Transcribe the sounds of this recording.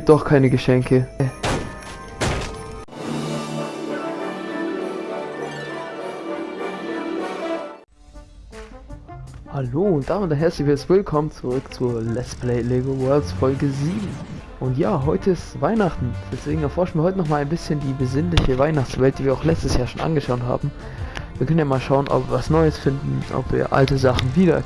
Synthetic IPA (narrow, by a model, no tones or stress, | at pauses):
d̥ɔχkʰaɪnəɡəʃɛŋkʰə | haloːʊnt̚d̥aːmɪnd̥anɦɛɐt͡slɪçvɪstv̥ɪlkʰɔmənt͡suʁʏkt͡suːɐlɛspʰleɪleːɡowɛɐltsfɔlɡəziːbm̩ | ʔʊntjaːɦɔʏtʰəɪstv̥aɪnaχtn̩d̥ɛsv̥eːɡŋ̩ɛɐfɔɐʃn̩viːɐɔʏtənɔχmaːlaɪnbɪsçəndiːbəzɪnlɪçəvaɪnaχt͡sv̥ɛlt̚d̥iːviːɐaʊxlɛt͡stəsjaːɐʃoːnʔa̰nɡəʃaʊtha̰ːbm̩ | viːɐkʰœnənjaːmaːlʃaʊənʔɔ̰pv̥iːɐvasnɔʏəsfɪndn̩ʔɔ̰pv̥ḭːɐʔa̰ltəzaχn̩viːɾɐ̰